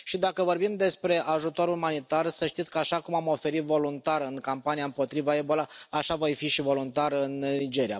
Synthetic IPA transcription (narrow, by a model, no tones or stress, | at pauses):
ʃid̪akəvo̞rbimd̪e̞spɾe̞ʔaʒut̪o̞ɾumanit̪arsəʃt̪it̪sʲkəaʃakumamo̞fe̞ɾit̪vo̞lunt̪arɨŋkampanijaɨmpo̞t̪ɾivae̞bo̞laaʃavojfiʃivo̞lunt̪arɨnnid͡ʒe̞ɾia̰